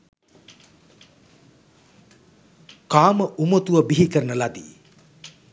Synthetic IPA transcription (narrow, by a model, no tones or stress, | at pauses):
kaːməʔumot̪uʋəbiɦikəɾənəlad̪ḭ